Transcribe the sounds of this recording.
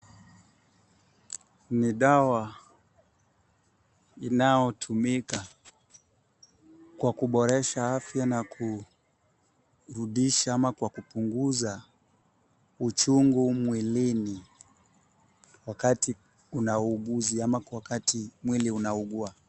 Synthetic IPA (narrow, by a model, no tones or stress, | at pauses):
niɗawa | inajɔtʰumika | kwakuɓɔɾɛʃaafjanakʰu | ɾuɗiʃaamakwakupuŋɡuza | ut͡ʃuŋɡumwilini | wakati | unauɠuziamawakatimwiliunauɠua